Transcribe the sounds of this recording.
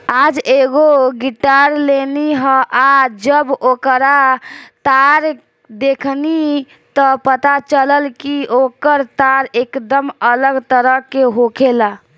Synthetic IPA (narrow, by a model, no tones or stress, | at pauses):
ad͡ʒeɡoɡiʈaɾleniɦə̃ʔad͡ʒəbokɾat̪aɾ | d̪ekʰni | t̪ɔpət̪at͡ʃələlkiokəɾt̪aɾekd̪əmələɡt̪əɾəkeɦokʰela